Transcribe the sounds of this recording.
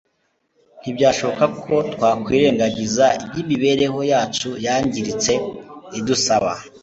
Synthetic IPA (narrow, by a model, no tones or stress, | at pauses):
n̥ibɟaːʃo̞βo̞kakʰo̞tkwaːkwiːɾe̞ːŋɡaɟizaibɟiβiβe̞ɾe̞ho̞jaːt͡ʃujaːɲɟiɾit͡se̞idusaβa̰